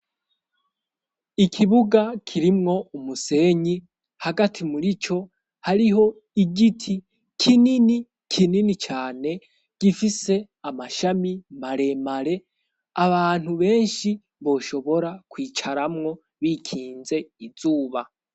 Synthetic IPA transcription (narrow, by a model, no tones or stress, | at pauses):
ikʰiβuɡakʰiɾimŋo̞umuse̞ɲi | haɡatʰimuɾit͡ʃo̞ | haɾiɦo̞ | iɡitʰi | kʰinini | kʰininit͡ʃaːne̞ | ɡ̥ifise̞ | amaʃamimaɾe̞maɾe̞ | aβaːn̥huβe̞ːnʃi | βo̞ːʃo̞βo̞ɾakwiːt͡ʃaɾamŋo̞ | βiːkʰiːnze̞iz̥uːβa